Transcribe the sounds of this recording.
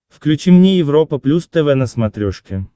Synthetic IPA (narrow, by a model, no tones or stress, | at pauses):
fklʲʉt͡ɕimnʲejɪvɾopəplʲust̪ɛvɛnəsmɐt̪ɾʲoʂkʲɪ